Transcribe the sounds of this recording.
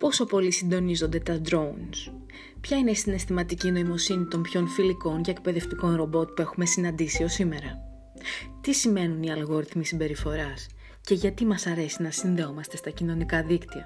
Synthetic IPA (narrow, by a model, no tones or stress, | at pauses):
po̞so̞po̞lisind̪o̞nizo̞nd̪e̞t̪ɐd̪ɾo̞uns | pçɐine̞isine̞st̪imɐt̪icino̞imo̞sinit̪o̞mpço̞nfiliko̞ncɐek̚pe̞ðe̞ft̪iko̞nɾo̞bo̞t̪̚pue̞xume̞sinɐnd̪isio̞sime̞ɾɐ | t̪isime̞nuniɐlɣo̞ɾiθmisimbe̞ɾifo̞ɾɐs | ce̞ʝɐt̪imɐsɐɾe̞sinɐsinðe̞o̞mɐst̪e̞st̪ɐcino̞nikɐðikt̪iɐ̰